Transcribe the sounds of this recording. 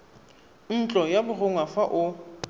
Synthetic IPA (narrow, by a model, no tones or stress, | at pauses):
n̩t͡ɬʼɔjabʊrʊŋwafaʔʊ